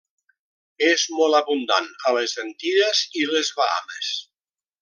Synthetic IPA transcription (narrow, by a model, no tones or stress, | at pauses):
ezmɔlˠaβund̪a̰nəlezənt̪iɾezilezβaa̰mes